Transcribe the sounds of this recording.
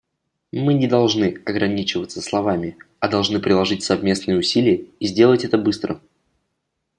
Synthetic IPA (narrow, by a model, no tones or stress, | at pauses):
mɨnʲɪd̪ɐlˠʐnɨɐɡɾɐnʲit͡ɕɪvət̪səslˠɐvamʲɪ | ɐd̪ɐlˠʐnɨpɾʲɪlˠɐʐɨtʲsɐvmʲe̞snɨjəʊsʲilʲɪjəizʲdʲe̞lˠətʲɛt̪əbɨst̪ɾə̰